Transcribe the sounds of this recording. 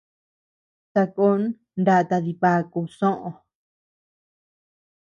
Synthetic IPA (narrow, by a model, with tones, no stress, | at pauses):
sa˧ko˦n˦ | nda˧t̪a˧ði˧pa˧˦ku˧sõ˦ʔõ˧